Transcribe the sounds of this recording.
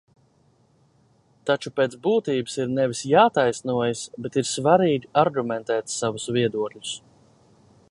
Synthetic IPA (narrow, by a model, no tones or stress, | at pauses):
t̪at͡ʃupeːt̪sbuːt̪iːbɨsiɾnɛvisjaːt̪ajsnuɔjasbɛt̪iɾsvaɾiːɡʲiaɾɡumɛnt̪ɛːt̪savusviɛd̪uɔklʲu̥s